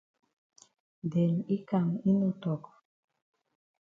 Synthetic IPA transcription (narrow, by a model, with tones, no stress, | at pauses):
dɛ˨ni˦ka˨ŋi˦nu˦˨t̪ɔ˨k